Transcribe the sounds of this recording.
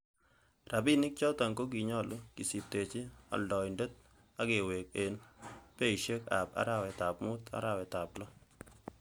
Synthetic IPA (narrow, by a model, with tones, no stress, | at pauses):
ra˨bi˦nɪ˦k̚t͡ʃɔ˦ta˨ŋko˦k̬i˨ɲɔ˦lʊ˦ki˨si˨p̚te˨t͡ʃɪ˦a̰˨ldɔ˨nde˦t̚ | a˦ke˨we˨k̚e˨npe˦i˨ʃe˦ka̰˨pa̰˦ɾa˦˨wɛ˨ta˨p̚mʊ˦ta̰˨˦ɾa˦wɛ˨ta˨plɔ˦